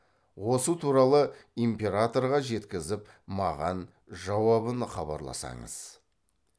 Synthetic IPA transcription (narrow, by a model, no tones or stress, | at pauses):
wo̞sət̪ʰuɾɑlˠəimpʲe̞ɾat̪o̞rʁɑʒe̞t̪kʲɪzɪp | mɑʁɑn | ʒɑwɑβənχɑbɑ̰ɾlˠɑ̰sɑ̰ɴə̰z̥